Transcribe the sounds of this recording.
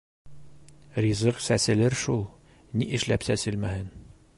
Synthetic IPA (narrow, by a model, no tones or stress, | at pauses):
rʲizɤqsæsɘ̆lɘɾʃulˠ | niʔɘ̆ʃlæpsæsɘlmæhɘn